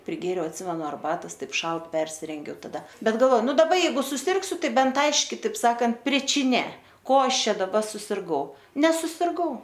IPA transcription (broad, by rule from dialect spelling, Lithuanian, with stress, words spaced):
pʲrʲɪˈɡʲeːrʲɛʊ ɐtʲˈsʲɪmʲɛnʊ ɐrˈbɑːtoːs ˈtɐɪp ˈʃɐlˠt pʲɛrʲsʲɪrʲɛŋʲˈɡʲɛʊ tɐˈdɐ ˈbʲɛt ɡɐlˠˈʋoː ˈnʊ dɐˈbɐ jɛɪˈɡʊ sʊˈsʲɪrksʲʊ ˈtɐɪ ˈbʲɛnt ˈɐɪʃʲkʲɪ tɐɪp ˈsɑːkɐnt pʲrʲɪt͡ʃʲɪˈnʲeː ˈkoː ˈɐʃ ˈt͡ʃʲɛ dɐˈbɐ sʊsʲɪrˈɡɐʊ nʲɛsʊsʲɪrˈɡɐʊ